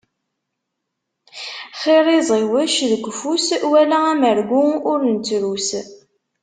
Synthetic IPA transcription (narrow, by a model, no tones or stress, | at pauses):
χeɾˤizˤiwəʃðəɡʷfuswælææməɾɡʷuʊɾnt͡sːɾus